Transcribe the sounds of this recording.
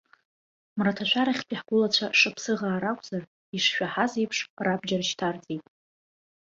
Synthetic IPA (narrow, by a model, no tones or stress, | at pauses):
mratʰaʃʷaɾaχʲpʼiħɡʷʊlat͡ɕʷʰaʂapʰsɨʁaːɾakʷʼz̥ar | iʂʃᶣʷaħazejpʰʂrabd͡ʒarʃtʰard͡zʼejtʼ